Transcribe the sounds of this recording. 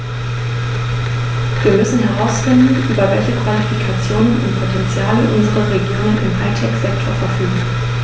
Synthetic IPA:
viːɐmʏsn̩ɦɛʁ̞aʊsfɪndn̩ʔyːbɐvɛlçəkv̥alifikʰat͡sjoːnənʊntpʰotʰɛnt͡sjaːləʔʊnzəʁəʁeɡjoːnənɪmɦaɪtʰɛkz̥ɛktʰoːɐfɛɐfyːɡŋ̩

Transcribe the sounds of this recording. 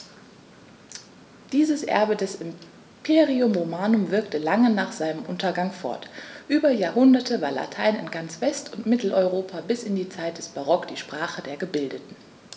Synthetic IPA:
d̥iːzəsʔɛ̰ɐbədɛsɪm | pʰeːʁiʊmʁomaːnʊmvɪɐktəlaŋənaːχz̥aɪnəmʔʊntɐɡaŋfɔ̰ɐtʔyːbɐjaːɐɦʊndɐtʰəvaːɐla̰tʰaɪnɪ̰nɡant͡sv̥ɛstʊntmɪtl̩ʔɔʏʁoːpʰabɪsɪndiːt͡saɪt̚d̥ɛsb̥aʁɔkd̥iːʃpʁ̥aːχədeːɐɡəbɪldətn̩

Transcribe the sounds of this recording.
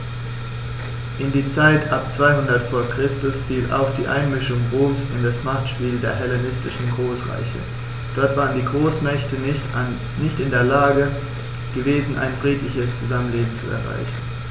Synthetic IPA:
ʔɪndiːt͡saɪtʔap̚t͡sv̥aɪhʊndɐtfoːɐkʁ̥ɪstʊsfiːlʔa̰ʊxd̥iːʔa̰ɪnmɪʃʊŋʁoːmsɪndasmaχtʃpiːldeːɐɦɛlenɪstɪʃn̩ɡʁoːsʁa̰ɪçə̰ | d̥ɔɐtv̥aːʁəndiːɡʁoːsmɛçtə | nɪçtɪndeːɐlaːɡə | ɡ̥əveːzn̩ʔa̰ɪnfʁ̥iːtlɪçəst͡suzamənleːbm̩t͡sṵɛ̰ɐʁa̰ɪçn̩

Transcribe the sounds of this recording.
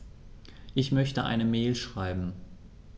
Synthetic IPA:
ʔɪçmœçtəʔa̰ɪnəmɛːlʃʁ̥aɪbm̩

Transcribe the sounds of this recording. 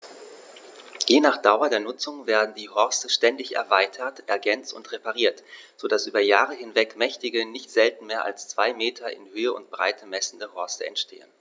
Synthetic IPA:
jeːnaːχd̥aʊɐdeːɐnʊt͡sʊŋveːɐdn̩diːhɔɐstəʃtɛndɪçɛ̰ɐvaɪtʰɐtʔɛɐɡɛnt͡stʊ̰ntʁepaʁ̞iːɐtz̥oːdasʔyːbɐjaːʁ̞əɦɪnvɛkmɛçtɪɡənɪçtz̥ɛltn̩meːɐʔa̰lst͡sv̥aɪmeːtʰɐʔɪ̰nhøːəʊ̰ntb̥ʁa̰ɪtʰəmɛsn̩dəhɔɐstəɛ̰ntʃtʰḛːə̰n

